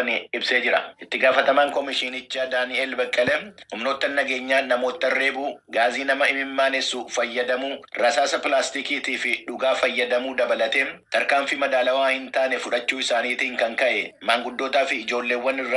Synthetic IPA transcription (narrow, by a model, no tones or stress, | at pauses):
ɐnɪɪbse̞ːd͡ʒɪɾɐʔɪt̪ːɪɡaːfɐt̪ɐmaːŋkɔmɪʃɪnɪt͡ʃːaːd̪aːnɪeːlbɐkʼːɐlɛhʊmno̞ːt̪ːɐnːɐɡe̞ːɲːaːnɐmo̞ːt̪ːɐrːe̞ːbuːɡaːziːnɐmɐɪmɪmːaːnɛsuːfɐjːɐd̪ɐmuːɾɐsaːsɐpɪlaːst̪ikiːt̪iːfɪᶑʊɡaːfɐjːɐd̪ɐmuːd̪ɐbɐlɐt̪eːmt̪ɐɾkaːmfɪmɐd̪aːlɐwaːhɪnt̪aːnɛfʊᶑɐt͡ʃːuːɪsaːniːt̪iːŋkɐŋkɐʔɛmaːŋɡʊd̪ːo̞ːt̪aːfɪːd͡ʒo̞ːlːe̞ːwːɐnɪrɐ